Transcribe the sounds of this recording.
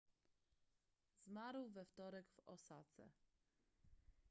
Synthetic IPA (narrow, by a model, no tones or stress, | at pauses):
zmaɾwvɛft̪ɔɾɛɡvɔsat̪sɛ̰